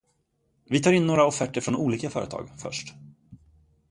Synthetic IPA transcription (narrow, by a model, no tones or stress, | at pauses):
vɪt̪ʰɑːɾɪnːoːɾaɔfɛʈːəfɾɔnʔuːliːkafœːɾət̪ʰɑ̰ːɡfœ̰ʂʈ